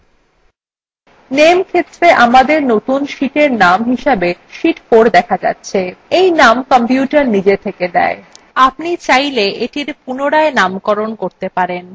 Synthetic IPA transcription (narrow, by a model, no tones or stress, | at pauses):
nemkʰet̪ːɾeʔamad̪eɾnot̪unʃiʈeɾnamɦiʃebeʃiʈkoɾd̪ɛkʰad͡ʑa̰tːɕʰeejnamkɔmpjuʈaɾnid͡ʑet̪ʰeked̪ɛ̰e | apnit͡ɕajleʔeʈiɾpunoɽaenamkɔɾonkoɾt̪epaɾen